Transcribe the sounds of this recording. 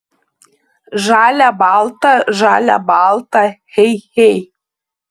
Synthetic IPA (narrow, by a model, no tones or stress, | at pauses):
ʒɑlʲabɑlˠt̪aʒɑlʲa̰bɑlˠt̪ahejhej